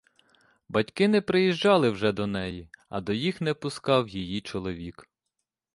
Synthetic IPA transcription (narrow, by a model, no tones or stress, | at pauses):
bɐtʲkɪnɛpɾɪjiʒd͡ʒɑlˠɪwʒɛd̪ɔnɛjiɐ̰d̪ɔjixnɛpʊskɑwjijit͡ʃɔlˠɔʋʲik